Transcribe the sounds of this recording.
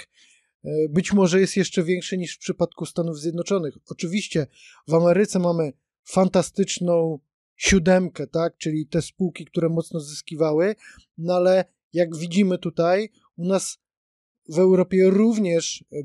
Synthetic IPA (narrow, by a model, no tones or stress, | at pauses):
bɘt͡ɕmɔʐɛjɛst̪jɛʂt͡ʂɛvʲjɛŋkʂɛɲiʂfpʂɘpat̪kust̪anuvzʲjɛd̪nɔt͡ʂɔnɘxɔt͡ʂɘvʲiɕt͡ɕɛ | vamɛɾɘt̪sɛmamɘ | fant̪ast̪ɘt͡ʂnɔ̃w̃ | ɕud̪ɛmkɛt̪ak̚t͡ʂɘlʲit̪ɛspuwkʲikt̪uɾɛmɔt̪snɔzɘskʲivawɘ | nalɛ | jaɡvʲid͡ʑimɘt̪ut̪aj | unas | vɛwɾɔpʲjɛɾuvɲɛʂ